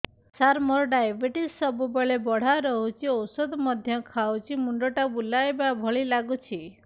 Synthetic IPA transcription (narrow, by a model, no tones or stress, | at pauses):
saɾmɔɾɖajbʱiʈissɔbubeɭebɔɽ̤aɾɔɦut͡ʃʰiɔwsɔd̪ɔmɔd̪ʱjɔkʰawt͡ʃʰimuɳɖɔʈabulajbabʱɔɭilaɡut͡ʃʰi